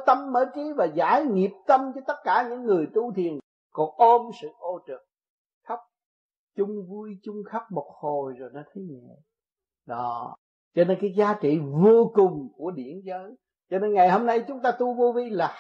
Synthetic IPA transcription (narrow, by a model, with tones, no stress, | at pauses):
t̪ə˧mɓəː˧˥t͡ɕi˨˦vaː˨˩zaː˧˦jŋi˨˩əp̚t̪ə˧mt͡ɕɔ˧t̪ə˦˥t̚kaː˧˩ɲɨ̰˧˥ŋːɨ˨˩əjt̪u˧t̪ʰi˨˩ən | kɔ˨˩ʔo˧msɨ̰˧˨ʔo˧t͡ɕɨ˨˩t̚ | xə˦˥k͡p̚ | t͡ɕʊ˧ŋ͡mvu˧jt͡ɕʊ˧ŋ͡mxa˦˥k͡p̚mo˨˩t̚ho˨˩jzo˨˩jnɔ˨˦t̪ʰe˨˦ɲi˧˨ | ɗɔ˨˦ | t͡ɕɔ˧ne˧nkaː˨˦jzaː˨˦t͡ɕḭ˧˨vo˧kʊ˨˩ŋ͡mku˧˩əɗi˧˩ənzəː˨˦j | t͡ɕɔ˧ne˧nŋa˨˩jho˧mna˧jt͡ɕʊ˨˦ŋ͡mt̪aː˧t̪u˧vo˧vi˧laː˨˩